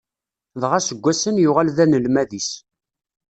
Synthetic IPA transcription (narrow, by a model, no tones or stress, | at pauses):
ðʁasəɡʷːæsənjʊʁalðænəlmæðis